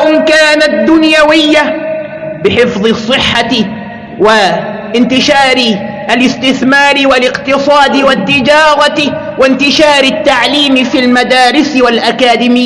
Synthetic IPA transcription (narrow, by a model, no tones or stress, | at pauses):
ʔʊmkaːnad̪ːʊnjawɪjːa | bɪħɪfðˤɨsˤːɨħːa | wɪ | ɪnt̪ɪʃaːɾɪ | ʔalɪst̪ɪθmaːɾɪwalɪqt̪ɨsˤɑːd̪ɪwat̪ːɪd͡ʒɑːɾˤɑ | wɪnt̪ɪʃaːɾɪt̪ːaʕliːmɪfilmad̪aːɾɪswalʔakaːd̪ɪmɪjː